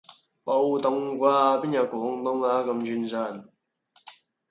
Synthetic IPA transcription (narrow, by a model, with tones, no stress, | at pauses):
po˧wt̪ʊ˧˩ŋkʷwaː˧piː˥njɐ˨˧˩kɔː˨˥ŋt̪ʊ˥ŋaː˧˥kɐ˧mt͡ɕʰy˧nt͡sa˧˩n